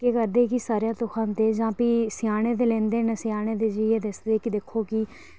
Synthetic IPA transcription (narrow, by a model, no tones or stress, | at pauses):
keːkəɾd̪eːkɪsaːɾjaːt̪ʊkʰãːnt̪eːd͡ʒãːpiːsɪjaːɽ̃eːd̪eːlɛ̃ːnd̪eːnəsɪjaːɽ̃eːd̪eːd͡ʒieːd̪esd̪eːkɪd̪ekʰːoːkɪː